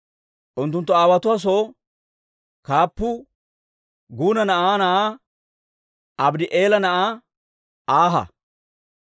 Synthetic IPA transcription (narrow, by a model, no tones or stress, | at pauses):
ʔʊnt̪ːʊnt̪ːɔaːwɐt̪ʊwaːs̬oː | kaːpːʊ | ɡuːnɐnɐʔaːnɐʔaː | ʔɐbd̪ɪʔeːlɐnɐʔaː | ʔaːɦɐ̰